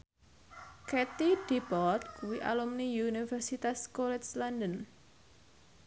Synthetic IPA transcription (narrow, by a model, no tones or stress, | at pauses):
ket̪id̥ibɔrd̪̚kuwiʔa̰lumniunifɛrsit̪askolɛt̪sland̪ən